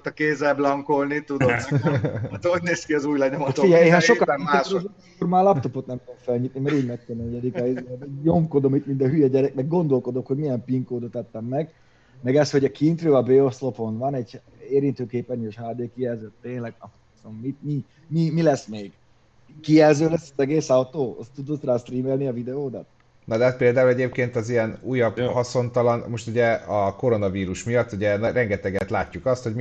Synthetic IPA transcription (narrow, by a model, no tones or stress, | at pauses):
t̪ɒkeːzɛblɒŋkolnit̪ud̪om | t̪ːoɟneːskiɒzuːjlɛɲomɒt̪oiɛeɛʃokaːz | ormaːlɒpt̪o̞po̞t̪nɛmkɛlfɛlɲit̪̚nimɛɾiːɟmɛkkɛmɛɲɛd̪ikɛizjomko̞d̪o̞mit̪mind̪ɒɦyjɒɟɛɾɛk̚nɛɡ̚ɡo̞nd̪o̞lko̞d̪o̞kho̞ɟmijɛmpiŋkoːd̪ot̪ɑt̪ːɛmːɛɡ | mɛɡɛst̪ho̞ɟɒkint̪røːɒbeːoslo̞po̞nvɒnɛɟ | eːɾint̪øːkeːpɛnøʃhaːd̪eːkijɛlzøt̪ːeːɲlɛɡɒ | sommit̪mi | mimilɛsmeːɡ̥ | kijɛlzøːlɛsːɛzɛɡeːsɒwt̪oːoud̪ot̪raːst̪riːmɛlniɒvid̪ɛoːd̪ɒ̰t̪̚ | nɒd̪ɛɛt̪peːld̪aːulɛɟeːpkeːnt̪ɒzijɛnuːjːɒbhɒso̞nt̪ɒlɒnmo̞ʃt̪uɟɛɒko̞ɾo̞nɒviːɾuʃmijɒt̪ːuɟɛnɛɾɛŋɡɛt̪ɛɡɛt̪laːcːukɒst̪hoɟm